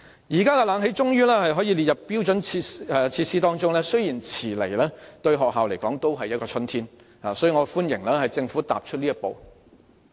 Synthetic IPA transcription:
jiː˨˩kaː˥kɛ˧laː˨˧nɦe˨˥jt͡ʃʊ˥ŋjyː˥lɛː˥hɐ˨jɦɔː˨˥jiː˨˧li˨t̚jɐ˨ppːiː˥wt͡ʃɵ˨˥nʰi˧ɛ˧t͡sʰiː˧t̚siː˥t̪ɔː˥ŋt͡ʃʊ˥ŋlɛː˥sɵ˥ɥjiː˨˩nt͡sʰiː˨˩le˨˩jlɛː˥t̪ɵ˧ɥɦɔː˨k̚ɦaː˨wle˨˩jkɔː˨˥ŋt̪o˥wɦɐ˨jːɐ˥tkɔː˧t͡sʰɵ˥nt̪ʰiː˥n | aː˨˩sɔ˨˥jyː˨ŋɔ˨˧fuː˥njɪ˨˩ŋlɛː˥hɐ˨jt͡sɪ˧ŋfuː˨˥t̪a̰ː˨p̚t͡ʃʰɵ˥t̚liː˥jɐ˥t̚po˨˧w

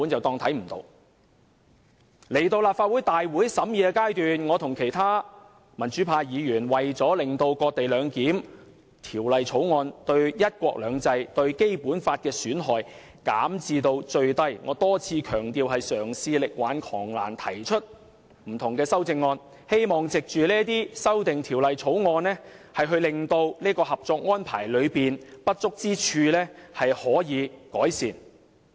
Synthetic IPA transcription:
u˨˥nt͡sɐ˨wt̪ɔː˧ŋt̪ʰɐ˨˥jm̩˨˩t̪o̰˧w | le˨˩jt̪o˧wlaː˨pfaː˧t̚wuː˨˥jt̪aː˨jwuː˨˥jsɐ˨˥mjiː˨˧ɛ˧kaː˥jt̪yː˨nŋɔː˨˧t̪ʰʊ˨˩ŋkʰe˨˩jt̪ʰaː˥ | mɐ˨˩nt͡ʃyː˨˥pʰaː˧jiː˨˧jyː˨˩nwɐ˨jt͡sɔː˨˥lɪ˨ŋt̪o˧wkɔː˧k̚t̪e˨jlœː˨˧ŋkiː˨˥m | t̪ʰiː˨˩wlɐ˨jt͡sʰo˨˥wŋɔː˧nt̪ɵ˧ɥjɐ˥t̚kʷɔ̰ː˧k̚lœː˨˧ŋt͡sɐ˧jt̪ɵ˧ɥke˥jpuː˨˥nfaː˧t̚kɛː˧syː˨˥nɦɔː˨j | ka̰ː˨˥mt͡siː˧t̪o˧wt͡ʃɵ˧ɥt̪ɐ˧jŋɔː˨˧t̪ɔː˥t͡sʰiː˧kʰœː˨˩ŋt̪iː˨˧wɦɐ˨jsœː˨˩ŋsiː˧lɪ˨k̚waː˨˥nkʰɔː˨˩ŋla̰ː˨˩nt̪ʰɐ˨˩jt͡ʃʰɵ˥t̚ | m̩˨˩t̪ʰʊ˨˩ŋkɛː˧sɐ˥wt͡sɪ˧ŋːɔː˧n | he˥jmɔː˨ŋt͡sɪ˨k̚t͡ʃyː˨lɛː˥t̪iː˥sɐ˥wt̪ɪ˨ŋt̪ʰiː˨˩wlɐ˨jt͡sʰo˨˥wŋɔː˧nlɛː˥hɐ˨jɦɵ˧ɥlɪ˨˧ŋt̪o˧wliː˥kɔː˧ɦɐ˨p̚t͡sɔː˧k̚ŋɔː˥npʰa̰ː˨˩jlɵ˨˧ɥpiː˨npɐ˥t̚t͡sʊ˥k̚t͡siː˥t͡ʃʰyː˧lɛː˥hɐ˨jhɔː˨˥jiː˨˧kɔː˨˥jsiː˨n

